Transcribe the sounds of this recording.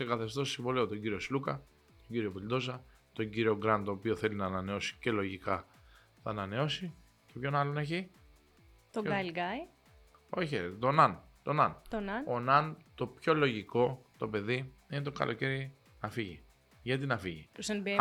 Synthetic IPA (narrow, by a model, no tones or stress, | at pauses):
se̞kɐθe̞st̪o̞ssiɱvoliot̪oɲɟiɾio̞slukɐ | t̪oɲɟiɾio̞pilid̪o̞zɐ | t̪o̞ɲɟiɾio̞ɡɾɐnt̪o̞ːpio̞θe̞linɐːnɐne̞o̞si̥ce̞lo̞ʝikɐ | θɐːnɐne̞o̞si | ce̞pço̞nɐlo̞ne̞çi | t̪oɐlɡɐj | o̞çet̪o̞nɐn | t̪o̞nɐnt̪onɐnonɐnt̪o̞pço̞lo̞ʝiko̞t̪o̞pe̞ðiinet̪o̞ɡɐ̰lʔo̞ce̞ɾi | nɐfiʝi | ʝɐt̪̬inɐfiʝisenb